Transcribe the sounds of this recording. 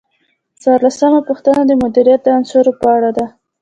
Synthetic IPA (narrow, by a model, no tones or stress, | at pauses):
t͡swɑɾlasamapuxt̪anad̪əmʊd̪iɾijat̪̚d̪əansoɾopəaɽad̪a